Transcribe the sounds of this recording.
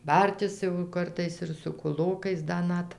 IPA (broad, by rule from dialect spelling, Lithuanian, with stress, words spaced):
ˈbɐrʲtʲɪs jɛʊ ˈkɐrtɐɪs ɪr sʊ kʊˈlˠoːkɐɪs ˈdɐ ˈnɐt